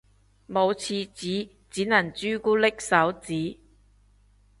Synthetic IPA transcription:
mo˨˧wt͡sʰiː˧t͡siː˨˥ | t͡siː˨˥nɐ˨˩nt͡ʃyː˥kuː˥lɪ˥k̚sɐ˨˥wt͡siː˨˥

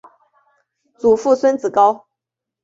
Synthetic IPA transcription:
t͡su˨˩fu˥˨swə˥nt͡sɹ̩˨˩kɑ˥ʊ

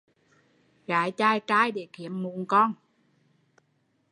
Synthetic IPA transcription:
ɣa̰ː˨˦jt͡ɕaː˧jt͡ɕaː˧jɗe˧˩ki˧˩˦əmmu˧˩ənkɔ˧n

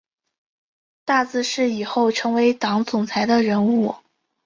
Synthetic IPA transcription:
t̪a˥˩t͡sɹ̩˥˧ʂɻ̩˥˩i˨˩xo˥˩ʊʈ͡ʂʰɤ˧˥ŋwe˧˥ɪt̪ɑ˧˥ŋt͡sʊ˨˩ŋt͡sʰa˧˥ɪd̪ə˧ɻə˧˥nu˥˩

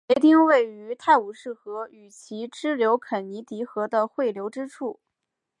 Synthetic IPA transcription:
we˧˥ɪt̪i˥˧ŋwe˥˩ɪy˧˥t̪ʰa˥˩ɪu˨˩ʂɻ̩˥˩xɤ˧˥y˨˩t͡ɕʰi˧˥ʈ͡ʂɻ̩˥ljo˧˥ʊkʰə˨˩nni˧˥t̪i˧˥xɤ˧˥d̪ə˧xwe˥˩ɪljo˧˥ʊʈ͡ʂɻ̩˥ʈ͡ʂʰu˥˩

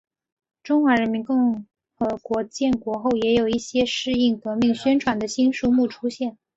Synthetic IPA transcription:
ʈ͡ʂʊ˥ŋxwa˧˥ɻə˧˥nmi˧˥nkʊ˥˩ŋ | xɤ˧˥kwɔ˧˥t͡ɕjɛ˥˩nkwɔ˧˥xo˥˩ʊjɛ˧˥jo˨˩ʊi˥˩ɕjɛ˥ʂɻ̩˥˧i˥˩ŋkɤ˧˥mi˥˩ŋɕɥɛ˥nʈ͡ʂʰwa˨˩nd̪ə˦ɕi˥nʂu˥mu˥˩ʈ͡ʂʰu˥ɕjɛ˥˩n

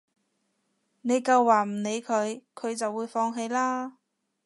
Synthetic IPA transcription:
ne˨˧jkɐ˧wːaː˨˩m̩˨˩ne˨˧jkʰɵ˨˧ɥkʰɵ˨˧ɥt͡sɐ˨wːuː˨˧jfɔː˧ŋɦe˨˧jlaː˥

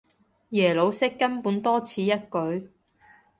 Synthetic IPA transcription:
jɛː˨˩lo˨˧wsɪ˥kːɐ˥npuː˨˥nt̪ɔː˥t͡sʰiː˨˧jɐ˥t̚kɵ˨˧ɥ

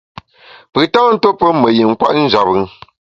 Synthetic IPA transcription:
pɨ˨ta˦ŋ˦n̩˦to˦pə˦mə˨ji˨ŋ˦kwa̰˦ʔn̩˦d͡ʒa˨bɨ˨ŋ

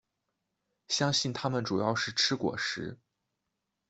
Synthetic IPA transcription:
ɕjɑ˥ŋɕi˥˩nt̪ʰa˥mə˨nʈ͡ʂu˨˩jɑ˥˧ʊʂɻ̩˥˩ʈ͡ʂʰɻ̩˥kwɔ̰˨˩ʂɻ̩˧˥

